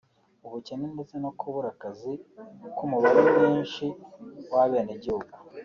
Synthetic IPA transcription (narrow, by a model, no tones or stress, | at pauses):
uβucenendet͡se̞nokʰuβuɾakazikumuβaɾemɲiːnʃiwaβe̞ːneɟihuɡu